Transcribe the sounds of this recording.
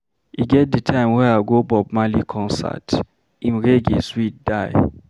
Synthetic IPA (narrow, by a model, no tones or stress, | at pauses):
iɡɛt̚dətʰãɪ̃mwɛaɡobɔb̚malikʰɔ̃nsa̰t | ĩmɹeɡeswit̚daɪ